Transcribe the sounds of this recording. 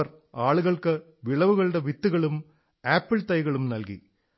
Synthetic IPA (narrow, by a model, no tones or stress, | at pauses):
ɐr | aːɭuɣɐɭkɨ | ʋiɭɐʋuɣɐɭɨɽeʋit̪ːuɣɐɭum | aːpːɨɭt̪ɐjɣɐɭumnɐlkḭ